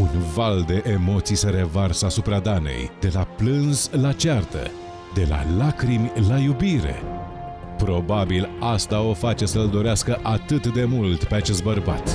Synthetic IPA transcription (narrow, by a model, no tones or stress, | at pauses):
unvald̪e̞ʔemo̞t̪sijsəɾe̞varsəasupɾad̪anḛjd̪e̞laplɨnz̥lat͡ʃart̪ə̰ | d̪e̞la̰lakɾimʲlajubiɾe̞̰ | pɾo̞babilast̪ao̞fat͡ʃe̞səld̪o̞ɾeaskəʔat̪ɨt̪d̪e̞mult̪pe̞at͡ʃe̞st̪bərba̰t̪